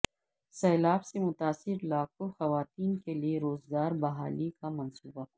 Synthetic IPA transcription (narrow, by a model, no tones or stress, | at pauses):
sɛːlaːbsemʊt̪aːsɪɾlaːk̚oxɐʋaːt̪iːnkelieɾoːzɡaːɾbɐɦaːlikamɐnsuːba